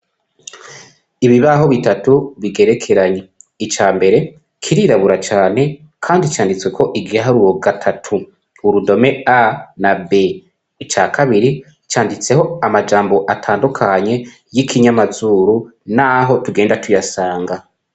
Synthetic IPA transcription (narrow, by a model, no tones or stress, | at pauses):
iβiβaɦo̞βitatuβiɡe̞ɾe̞kʰe̞ɾaɲe̞it͡ʃaːmbe̞ɾe̞ | kʰiɾiɾaβuɾat͡ʃaːne̞ | kʰaːndit͡ʃaːndit͡swe̞kʰo̞ʔiɡiaɦaɾuɾo̞ɡatʰatʰuː | ɾudo̞me̞anabe | it͡ʃaːkʰaβiɾi | t͡ʃaːndit͡se̞ɦo̞amad͡ʒaːmbo̞ʔatʰaːndukʰaɲe̞ | jikʰiɲamazuːɾunaɦo̞tuɡe̞ːndatʰujasaːŋɡa